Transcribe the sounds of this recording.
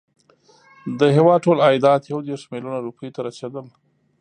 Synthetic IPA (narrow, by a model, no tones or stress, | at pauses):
d̪əɦewɑd̪̚ʈolɑjd̪ɑːt̪jawd̪eɾʂmɪlunaɾupʰəjt̪aɾat͡ʃad̪əm